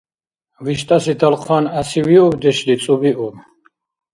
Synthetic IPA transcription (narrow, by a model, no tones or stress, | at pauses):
viʃt̪ʼasid̪ʰalqʰwanasiviɔbd̪ɛʃlit̪sʼubiʔum